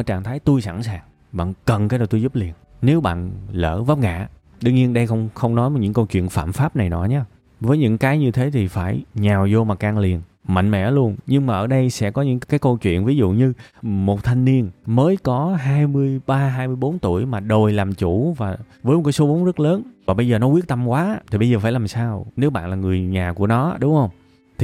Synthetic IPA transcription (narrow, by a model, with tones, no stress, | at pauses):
ʔəː˧˩t͡ɕaː˨˩ŋt̪ʰaː˨˦jt̪u˧jsa̰˧˩nsaː˨˩ŋ | ɓa̰ː˧˨nkə˨˩nkaː˨˦jɗaː˨˩t̪u˧jzu˦˥p̚li˨˩ən | ne˨˦wɓa̰ː˧˨nlə̰ː˧˩va˦˥p̚ŋa̰ː˧˨ | ɗɨ˧ŋɲi˧ənɗə˧jxə˧wŋ͡mxə˧wŋ͡mnɔ˨˦jm˨˩ɲɨ̰˧˥ŋkə˧wt͡ɕwḭ˧˨ənfa̰ː˧˨mfaː˦˥p̚na˨˩jɗɔ˨˦ɲaː˧ | vəː˨˦jɲɨ̰˧˥ŋkaː˨˦jɲɨ˧t̪ʰe˨˦t̪ʰi˨˩faː˧˩jɲaː˨˩wzo˧maː˨˩kaː˧ŋli˨˩ən | ma̰˧˨jŋ̟mɛ̰˧˩˥lu˧ənɲɨ˧ŋmaː˨˩ʔəː˧˩ɗə˧jsɛ̰˧˥kɔ˨˦ɲɨ̰˧˥ŋkaː˨˦jkə˧wt͡ɕwḭ˧˨ənvi˨˦zṵ˧˨ɲɨ˧mo˨˩t̚t̪ʰa˧jŋ̟ni˧ənməː˨˦jkɔ˨˦ɦaː˧jmɨ˧əjɓaː˧ɦaː˧jmɨ˧əjɓo˨˦nt̪u˧˩əjmaː˨˩ɗo˨˩jlaː˨˩mt͡ɕu˧˩vaː˨˩ | vəː˨˦jmo˨˩ka˨˦so˨˦vo˨˦ŋ͡mzə˦˥t̚ləː˨˦nvaː˨˩ɓə˧jzəː˨˩nɔ˨˦kwi˦˥ət̚t̪a˧mkwaː˨˦ʔt̪ʰi˨˩ɓə˧jzəː˨˩faː˧˩laː˨˩msaː˧wne˨˦wɓa̰ː˧˨nlaː˨˩ŋɨ˨˩əjɲaː˨˩ku˧˩ənɔ˨˦ɗʊ˨˦ŋ͡mhə˧wŋ͡m | t̪ʰi˨˩